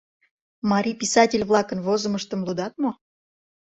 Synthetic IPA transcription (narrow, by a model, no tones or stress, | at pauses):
mɑɾʲipʲisɑtʲɪlʲβlˠɑkənvozə̆məʃt̪ə̆mlˠud̪ɑt̪̚mo